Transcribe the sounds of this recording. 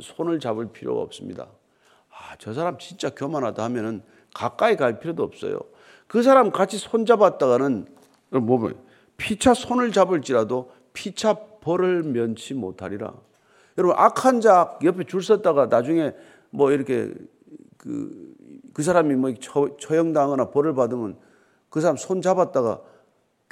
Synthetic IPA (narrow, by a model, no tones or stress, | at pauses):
sʰonɯɭt͡ɕabɯɭpʰiɾjo̰ɡa̰ʌ̰p̚s͈ɯmɲḭda̰ | at͡ɕʌs̬ʰaɾamt͡ɕint͡ɕ͈akjomanɦadahamjʌnɯn | kak͈aikaɭpʰiɾjodoʌp̚s͈ʌ̰jo̰ | kɯs̬ʰaɾamkat͡ɕʰisʰond͡ʑabat̚t͈aɣanɯn | jʌmom̰ | pʰit͡ɕʰasʰonɯɭt͡ɕabɯɭt͡ɕ͈iɾado | pʰit͡ɕʰapʌɾɯɭmjʌnt͡ɕʰimo̰tʰa̰ɾiɾa̰ | jʌɾʌbɯnʔakʰand͡ʑak̚jʌpʰet͡ɕuɭs͈ʌt̚t͈aɡanad͡ʑuŋe̞ | mwʌiɾʌkʰe̞̰ | kɯ̰kɯs̬ʰaɾamimʌikʰt͡ɕʰʌjʌŋdaŋʌnapʌɾɯɭpadɯmjʌ̰n | kɯsʰaɾamsʰont͡ɕabat̚t͈aɡa̰